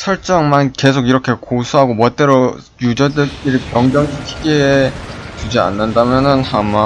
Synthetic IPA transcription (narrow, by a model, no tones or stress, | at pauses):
sʰʌɭt͡ɕ͈ʌŋmanke̞sʰoɡiɾʌkʰe̞kosʰuɦaɡomʌt͈e̞ɾo | jud͡ʑʌdɯk͈iɾipjʌŋd͡ʑʌŋɕʰikʰi̥ɡeːt͡ɕud͡ʑia̰nːɯndamjʌnɯnhama